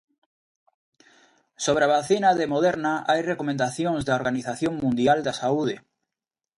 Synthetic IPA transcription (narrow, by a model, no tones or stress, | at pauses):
soβɾaβaθinaðemoðeɾnaʔajrekomẽnd̪aθjõŋzðaoɾɣaniθaθjõŋmũnd̪jald̪asauð̞ɪ